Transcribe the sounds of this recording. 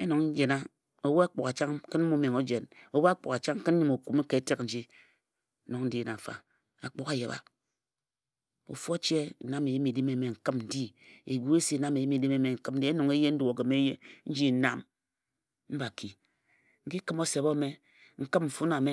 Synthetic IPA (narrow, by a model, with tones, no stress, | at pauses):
e˦no˨ŋn̩˦d͡ʒe˨na˦ | o˨wo˦a˦k͡po˨ka˨t͡ʃa˦ŋ˦kɨ˦n̩˦mu˦me˨ŋo˦d͡ʒe˨no˨wo˦a˦k͡po̰˨ka˨t͡ʃa˦ŋ̩˦kɨ˦n̩˦ɲi˨mo˨ku˨m˦ke˨e˦te˦kn̩˨˦d͡ʒi˦ | no˨ŋn̩˦di˦˨na˨fa̰˨ | a˨k͡po˨˦ka˨ja˨ba̰˦ | o̰˨fo˦t͡ʃe˦˨na˦me˨ji˦mi˨di˦me˦˨me˨ŋ̩˨kɨ˦mn̩˨di˦e˨ɡu˦e˦si˦˨na˦me˨ji˦mi˨di˦me˦me˨ŋ̩˨kɨ˦mn̩˦di˦e˦no˨ŋe˦je˦n̩˦du˨o˨ɡe˨me˦je˦n̩˦d͡ʒi˦na˦m | m̩˦ba˨ki˨ | ŋ̩˦ki˦kɨ˦mo˦se˨bo˦me˦ | ŋ̩˦kɨ˦mɱ̩˨fu˦na˨me˦